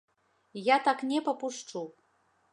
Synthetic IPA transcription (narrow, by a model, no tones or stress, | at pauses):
jat̪aknʲɛpɐpuʂt͡ʂu